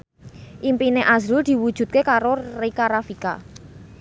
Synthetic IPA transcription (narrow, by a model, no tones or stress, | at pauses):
ʔimpineʔazɾuld̪̥i̤wud̥ʒ̥ṳt̪̚kekaɾorekaɾafika̰